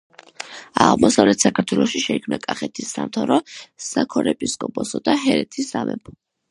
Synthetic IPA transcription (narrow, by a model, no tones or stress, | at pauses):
aʁmɔsavlɛt̪ʰsakʰaɾt̪ʰwɛlˠɔʃiʃɛikʰmnakʼaχɛt̪ʰisːamt̪ʰaɾɔsakʰɔɾɛpʼiskʼɔpʼɔsɔd̪aɦɛɾɛt̪ʰisamɛpʰɔ